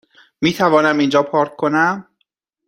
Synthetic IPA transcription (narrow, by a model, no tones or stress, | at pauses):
miːt̪ʰævɒːnæmind͡ʒɒːpʰɒːɾkʰkʰːonæm